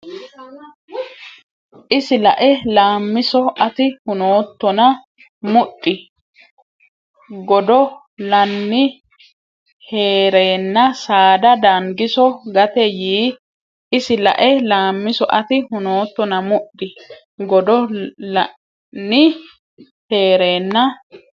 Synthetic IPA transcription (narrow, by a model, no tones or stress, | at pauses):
ʔɪsɪlɐ̰ʔɛlaːmːɪsɔʔɐt̪ɪhʊnoːt̪ːɔnɐ | mʊɗːɪ | ɡɔd̪ɔ | lɐnːɪ | heːɾeːnːɐsaːd̪ɐd̪aŋɡɪsɔɡɐt̪ɛjiː | ʔɪsɪlɐ̰ʔɛlaːmːɪsɔʔɐt̪ɪhʊnoːt̪ːɔnɐmʊɗːɪ | ɡɔd̪ɔlɐ | nːɪ | he̞ːɾe̞ːnːɐ